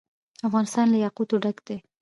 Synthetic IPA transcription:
afɣɑnɪst̪ɑnlajɑqut̪oɖaɡd̪̥e

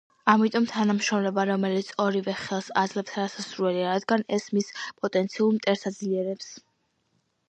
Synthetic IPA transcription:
amit̪ʼɔmt̪ʰanamʃɾɔmlɛbaɾɔmɛlit̪sʰɔɾivɛχɛlˠsa̰d̪zlɛp̚t̪ʰaɾasasɾuɛliaɾad̪ɡanɛsmispʼɔt̪ʼɛnt̪sʰiuɾmt̪ʼɛɾsad̪zliɛɾɛps

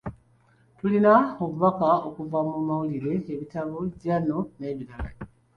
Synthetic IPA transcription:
tulinaoβuβakaokuvamumawuliɾe̞ːβitaβoɟano̞ne̞ːβiɾala

